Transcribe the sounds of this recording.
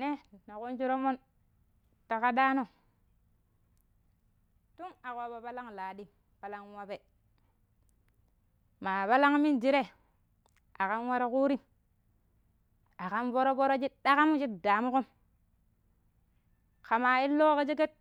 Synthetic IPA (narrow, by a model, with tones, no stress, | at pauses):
ne˦na˨ku˦nt͡ʃi˦ɾo˦mo˦n | ta˨ka˦da˦no˦˨ | tu˦ŋa˨ko˨ba˨pa˦la˦ŋlaː˨di˦ | pa˦la˦ŋwa˦be˨ | ma˨pa˦la˦ŋmi˦nd͡ʒi˦ɾe˦ | a˨ka˦nwa˦ɾo˦ku˦ɾi˦m | a˨ka˦nvo˦ɾo˦bo˦ɾo˦d͡ʒi˦ɗa˦ka˦mu˦t͡ʃi˦tda˨mu˦ko˦m | ka˨ma˨i˦lːo˦ke˦d͡ʒe˦ke˦t̚